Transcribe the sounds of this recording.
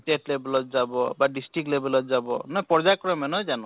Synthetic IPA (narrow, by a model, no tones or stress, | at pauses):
teʈlebɛlɔt̪̚zabɔbaɖisʈɹik̚tlebɛlɔt̪̚zabɔ̰nɔjpɔɹzakɔɹɔmɛnɔjzanɔ